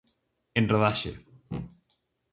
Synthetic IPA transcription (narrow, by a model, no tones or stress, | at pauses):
enroðaʃḛ